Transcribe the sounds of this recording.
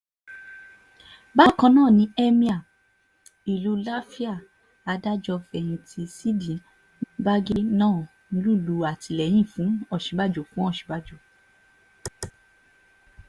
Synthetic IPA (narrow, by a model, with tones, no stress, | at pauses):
ba˦kã˧nãː˦˨nĩ˦ɛ˦mĩ˦a˦˨ | i˨lu˨˦la˦fi˦a˦˨ | a˧da˦d͡ʒɔ˧fɛ˧˨j̃ĩ˧ti˧si˦dĩ˨ | ba˦ɡi˦nãː˦˨ | ĩ˧˦lu˦˨lu˨˦a˨ti˧˦lɛ˨j̃ĩ˦˨fũ˨˦ɔ˦˨ʃĩ˨˦ba˦˨d͡ʒo˨fũ˨˦ɔ˦˨ʃĩ̥˨˦ba˦˨d͡ʒo˨